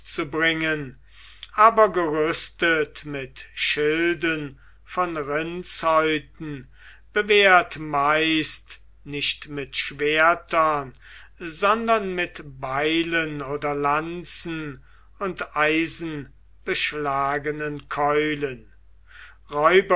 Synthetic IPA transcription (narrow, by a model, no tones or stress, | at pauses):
t͡subʁɪŋən | ʔaːbɐɡəʁʏstətmɪtʃɪldən | fɔnʁɪnshɔʏtn̩ | b̥əveːɐtmaɪst | nɪʃtmɪtʃv̥eɐtɐn | zɔndɐnmɪtbaɪlənoːdɐlant͡sn̩ | ʊntʔaɪzn̩ | b̥əʃlaːɡənənkʰɔʏlən | ʁɔʏbɐ